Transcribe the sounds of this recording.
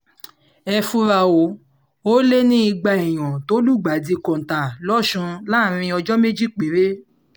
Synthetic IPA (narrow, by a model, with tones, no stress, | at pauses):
ɛ˧fu˧ɾa˨wo˨˦ | o˦le˦nĩ˦i˧ɡ͡ba˧ɛ˨j̃ɔ̃˨to˨˦lu˦˨ɡ͡ba˨di˧kɔ̃˨n̩˨tã˨lɔ˦˨ʃũ˧la˦˨ɾ̃ĩ˧ɔ˧d͡ʒɔ˦me˦d͡ʒi˦˨k͡pe˨˦ɾe˦